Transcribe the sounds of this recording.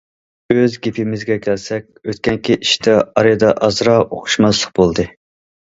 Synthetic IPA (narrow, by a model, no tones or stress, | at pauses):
øzɡʲepʰɪmɪzɡʲɛkʲʰɛlsɛkʲøt̪kʲɛŋkʲiʔiʃt̪ʰɛɑɾɨjd̪ɑʔɑzɾɑo̰qʰʊ̥ʃmɑslˠəq̚bolˠd̪ɨ